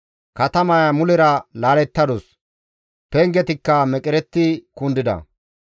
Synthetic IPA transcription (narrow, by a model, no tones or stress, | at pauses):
kɐt̪ɐmɐjɐmʊlɛɾɐlaːlɛt̪ːɐd̪ɔs | pɛŋɡɛt̪ɪkːɐmɛkʼɪɾɛt̪ːɪkʊnd̪ɪd̪ɐ̰